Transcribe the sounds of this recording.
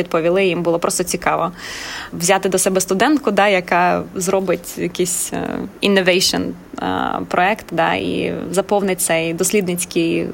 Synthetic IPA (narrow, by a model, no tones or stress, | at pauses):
id̪̚pɔʋʲilˠɪjimbʊlˠɔpɾʔɔst̪ɔt͡sʲikɑʋɔ | wzʲɑt̪ɪd̪ɔsɛbɛst̪ʊd̪ɛnt̪kʊd̪ɑjɐkɑzɾɔbɪtʲjɐkisʲḭnːɔʋɛjʃɔ̰n | pɾʔɔɛkt̪d̪ɑ̰ḭzɐpɔwnɪt̚ʲt̪sɛjd̪ɔsʲlʲid̪nɪt͡sʲkɪj